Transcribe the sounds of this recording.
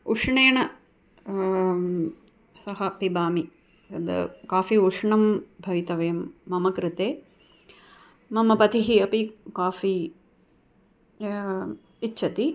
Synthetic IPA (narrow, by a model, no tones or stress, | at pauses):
uʂɳeːɐɳɐ | sɐɦɐpibaːmi | ɐd̪ɐ̰kaːfiuʂɳɐmbʱɐʋit̪ɐʋɐjɐmːɐmɐkɾɪt̪eː | mɐmɐpɐt̪iɦiɐpikaːfi | tːʃʰɐt̪i